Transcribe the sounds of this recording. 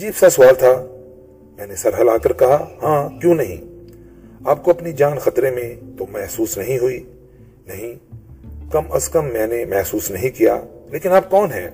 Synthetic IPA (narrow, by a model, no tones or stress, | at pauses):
ɐd͡ʒiːbsasʊʋaːlt̪ʰa | mɛ̃ːnesɐɾɦəlaːkɐɾkɐɦahãːkjõːnɐɦḭ̃ː | aːp̚koɐpnid͡ʒaːnxɐt̪ɾemẽt̪omɛɦsuːsnɐɦĩɦʊi | nɐɦĩ | kɐmɐskɐmːɛ̃ːnemɛɦsuːsnɐɦĩkija̰ːleːkɪnaːp̚kɔːnɦɛ̰̃ː